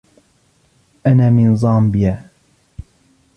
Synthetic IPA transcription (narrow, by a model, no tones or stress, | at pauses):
ʔanaːmɪnzˤɑːmbɪjaː